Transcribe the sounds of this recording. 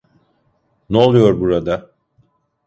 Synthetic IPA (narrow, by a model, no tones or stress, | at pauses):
neolˠujo̞ɾbuɾad̪a